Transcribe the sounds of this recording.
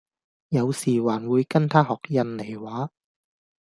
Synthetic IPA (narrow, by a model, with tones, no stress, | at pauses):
jɐ˨˧wsiː˨˩waː˨˩nwuː˨˧jkɐ˥nt̪ʰaː˥ɦɔː˨˩k̚jɐ˧nle˨˩jwaː˨˥